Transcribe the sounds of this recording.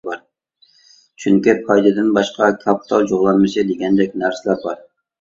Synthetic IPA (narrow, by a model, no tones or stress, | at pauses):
bɑɾ | t͡ʃʰyŋkʲipʰɑjd̪ɨd̪ɪnbɑʃqɑkʰɑpʰi̥t̪ʰɑ̰lˠd͡ʒoʁlˠɑnmɨʃɪd̪eɡʲɛnd̪ɛkʲnæɾsɪlæɾbɑɾ